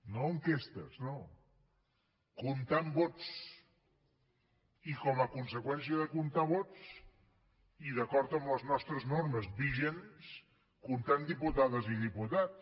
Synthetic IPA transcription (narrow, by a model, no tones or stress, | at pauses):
noəŋkest̪ə̰sno | kunt̪ambɔt͡s | ikɔməkunsəkwɛns̬iəðəkunt̪aβ̞ɔt͡s | iðəkɔɾt̪əmbləznɔst̪ɾəznorməzbiʒens | kunt̪and̪iput̪aðəziðiput̪as